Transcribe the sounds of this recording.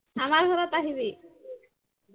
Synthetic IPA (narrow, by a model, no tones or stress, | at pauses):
amaɾɡʱɔɾɔt̪aɦiβi